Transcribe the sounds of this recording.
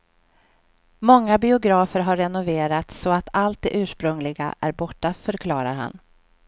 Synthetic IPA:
mɔŋːabɪʊɡɾɑːfəɾɦaɾːɛnʊveːɾat̪sɔat̪ʰalt̪̚d̪ɛʔʉ̟ːʂpɾɵŋlɪɡa̰ʔæɾbɔʈːafœɾkʰlɑːɾa̰ɾɦa̰n

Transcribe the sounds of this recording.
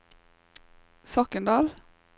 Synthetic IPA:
sɔkənd̪ɑːl

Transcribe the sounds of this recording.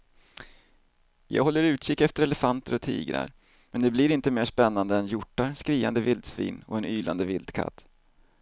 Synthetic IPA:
jɑ̰ːɡɦɔlːəɾʉ̟ːt̪ɕɪkːɛft̪əɾɛlɛfant̪əɾɔt̪ʰḭːɡɾa̰ɾ | mɛnd̪ɛblɪɾɪnt̪əmeːʂpɛnːand̪əɛnjʊʈːaskɾiːa̰nd̪əvɪld̪svḭːnɔɛnyːlʔa̰nd̪əvɪld̪̥kʰa̰t̪ː

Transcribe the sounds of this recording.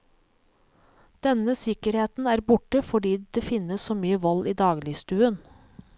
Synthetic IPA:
d̪̥ɛnəsɪkəɾheːt̪n̩æːɾbʊʈəfɔɖiːd̪eːfɪnəssoːmyːəʋɔliːd̪ɑːɡlɪst̪ʉːən

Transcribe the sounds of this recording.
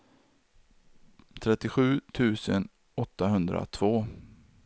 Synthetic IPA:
t̪ʰɾɛt̪ːɪɧʉ̟ːt̪ʰʉ̟ːsən | ɔt̪ːaɦɵnd̪ɾa̰t̪ʰv̥oː

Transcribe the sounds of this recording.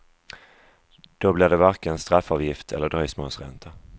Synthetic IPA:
d̪̥ɔblɪɖ̪ɛvaɾkənst̪ɾafːɑːvjɪft̪ʰɛ̰lːəɖɾœʏsmoːsɾɛ̰nt̪ʰa

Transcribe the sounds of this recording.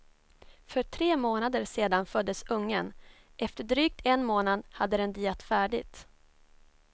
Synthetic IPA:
fœʈʰɾeːmoːnad̪əɾʂeːd̪anfœd̪ːəsɵŋːən | ʔɛft̪əɖɾyːk̚t̪ʰɛnmoːnad̪had̪ːəd̪ɛnd̪iːɛt̪fæːɖɪɡt̪

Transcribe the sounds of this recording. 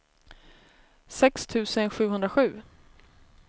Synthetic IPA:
sɛkst̪ʰʉ̟ːsənɧʉ̟ːɦɵnd̪ɾaɧʉ̟ː

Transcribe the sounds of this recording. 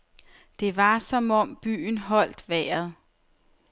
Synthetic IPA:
d̥e̝ʋɑ̈sɒ̽mɒ̽mb̥y̰ːnɦɒ̽l̰d̥ʋɛːɐð̩ˠ

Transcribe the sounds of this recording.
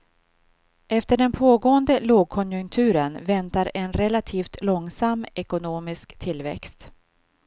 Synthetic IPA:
ʔɛft̪əɖɛnpʰoːɡoːənd̪əloːɡ̚kʰɔnjɵŋk̚t̪ʰʉ̟ːɾənvɛnt̪aɾɛnɾɛlat̪ʰiːft̪lɔŋsamːɛkʊnoːmɪskt̪ʰɪlːvɛ̰kst̪

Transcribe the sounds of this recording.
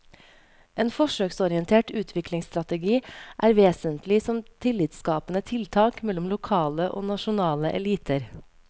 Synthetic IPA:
ʔeːnfɔʃøːksɔɾɪənt̪ʰeːʈʉːt̪ʰʋɪklɪŋst̪ɾɑt̪ɛɡiːʔæːɾʋeːsənt̪lɪsɔmt̪ʰɪlɪːt̪skɑːpənət̪ʰɪlt̪ʰɑːkmɛlɔmlʊkʰɑːləʔo̰ːnɑʃʊnɑːləʔɛ̰liːt̪ʰəɾ

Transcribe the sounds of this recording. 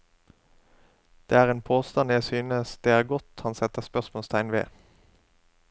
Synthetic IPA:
d̪̥eːæːʁeːnpʰoːst̪ɑnjæɪsyːnəsd̪̥eːæːʁɡɔt̪hɑnsɛt̪əʁspœsmoːlst̪ʰæɪnʋḛː

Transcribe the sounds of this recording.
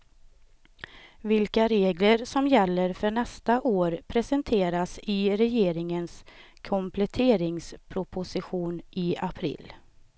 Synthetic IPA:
vɪlkaɾeːɡləɾsɔmjɛlːəɾfœɳɛst̪aʔoːɾpʰɾɛsɛnt̪ʰeːɾasɪɾɛjeːɾɪŋənskʰɔmpʰlɛt̪ʰeːɾɪŋspʰɾʊpʰʊsɪɧuːnʔɪapʰɾɪ̰lː

